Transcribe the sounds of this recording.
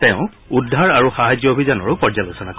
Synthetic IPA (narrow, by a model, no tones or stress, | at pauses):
tɛ̃ʊ̃ | udʱaɹaɹuxaɦad͡ʒjɔobʱizanɔɹʊpɔɹd͡ʒalosɔnak